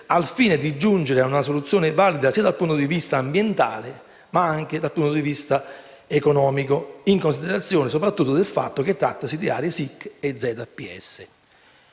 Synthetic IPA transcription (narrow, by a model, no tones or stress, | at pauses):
alfiːned̪id͡ʒːund͡ʒeɾɪaunasolut̪sːjoːnɪvalid̪asiːad̪alpunt̪od̪ivist̪aːmbjent̪a̰ːle | maaŋk̟ed̪alpunt̪od̪ivist̪a | ekonɔːmikoiŋkonsid̪eɾat̪sːjoːnɪsopɾat̪ːut̪ːod̪elfa̰t̪ːoket̪ːɾa̰t̪ːasid̪ia̰ːɾjesikːed̪zːɛːt̪apiɛ̰sːɪ